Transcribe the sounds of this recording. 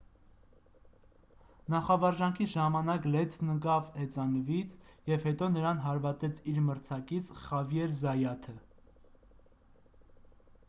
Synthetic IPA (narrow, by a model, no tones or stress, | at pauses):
nɑχɑvɑɾʒɑŋkʰiʒɑmɑnɑklɛt͡sʰnəɡɑvhɛt͡sɑnəvit͡sʰjɛvhɛt̪ɔnəɾɑnɦɑɾvɑt̪ɛt͡sʰiɾməɾt͡sʰɑkit͡sʰχɑvjɛɾzɑjɑt̪ʰə